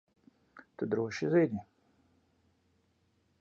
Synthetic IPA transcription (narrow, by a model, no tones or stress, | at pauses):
t̪ud̪ɾuɔʃiziːd̪ʲmʲi